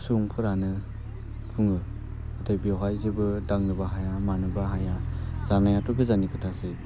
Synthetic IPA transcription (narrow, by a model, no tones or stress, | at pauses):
suŋpʰɯɾanɯ | pʰuŋɯ | atajbiawɦajzɯbɯdaŋnɯbaɦajamanɯbaɦajaz̥anajatɔkʰɯzanikʰɯtʰasɯ